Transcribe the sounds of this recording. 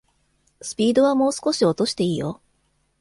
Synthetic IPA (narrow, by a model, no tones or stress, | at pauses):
sɨ̥pʲiːd̪o̞β̞amo̞ːsɨ̥ko̞ɕio̞t̪o̞ɕi̥t̪e̞iːjo̰